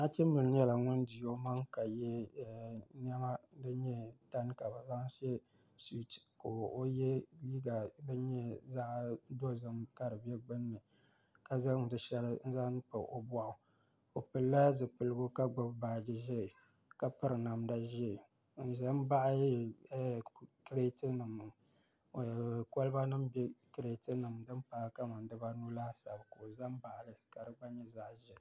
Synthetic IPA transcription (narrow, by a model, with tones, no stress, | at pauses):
na˦t͡ʃi˦m˦bɨ˨lɲɛ˦la˨ŋʊ˦n˦di˨jo˦ma˦ŋka˨jɛ˦˨ | n˦ɛ˦ma˦dɨ˦ɲɛ˦ta˦n˦ka˨ba˨za˦ŋ˦ʃɛ˦ | si˦˨tko˨o˦jɛ˦liː˦ɡa˨dɨ˦ɲɛ˦za˦ʔdo˦zɨ˨mka˦ɾɨ˨bɛ˦ɡ͡bɨ˦nːɨ˨ | ka˨za˦ŋ˨dɨ˨ʃɛ˦lɨ˦n̩˦za˦ʔn˦pɨ˨ʔo˨ba˦ʔʊ˨ | o˨pɨ˨lːa˦zɨ˨pɨ˨lɨ˦ɡʊ˦ka˦ɡ͡bʊ˦bbaː˨d͡ʒi˦ʒɛ˦˨ | ka˨pɨ˦ɾɨ˨na˨mda˦ʒɛ˦˨ | n̩˨ʒa˦m˦ba˦ʔ | kɾe˦tɨ˦nɨ˨m˨ | ko˦lba˦nɨ˦mbɛ˦kɾe˨tɨ˦nɨ˨m˨dɨ˦npaː˨˦ka˦ma˨ndɨ˦ba˦nu˦laː˦sa˨bko˨za˦m˦ba˨ʔlɨ˨ka˨dɨ˨ɡ͡ba˦ɲɛ˦za˦˨ʔʒɛ˨